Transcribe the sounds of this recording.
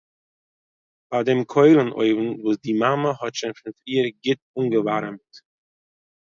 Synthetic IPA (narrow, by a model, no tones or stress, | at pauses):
b̥ademkʰɔɪlˠənʔo̰ɪvn̩vuːsdimaməhɔtʃɪnfɪnfɾiːəɾɡɪt̚unɡəvaɾmt